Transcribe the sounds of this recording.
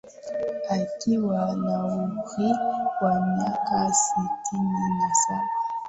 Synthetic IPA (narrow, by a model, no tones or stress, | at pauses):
akiwanauɣiwanakasitʰinanasa